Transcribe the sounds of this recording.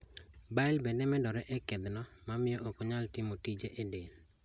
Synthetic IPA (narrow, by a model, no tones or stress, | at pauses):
baɪlbendɛmɛdɔɾɛʔɛkɛd̪nɔmamɪjɔʔokoɲaltimotid͡ʒeʔedel